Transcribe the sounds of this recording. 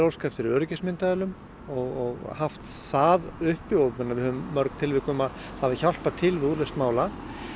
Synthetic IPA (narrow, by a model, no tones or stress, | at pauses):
ɾow̪skɾaft̪ɪɾœːɾʏcɪsmɪnt̪aðɛlʏm | ɔɣɔɣhaft̪saːðʏhpːjowʏmɛnːaɾvɪhœvʏmːœɾknt̪ʰɪlvɪkʏmað | havðɪçal̥paɾt̪ʰɪlvɪðuːɾlest̪maːwla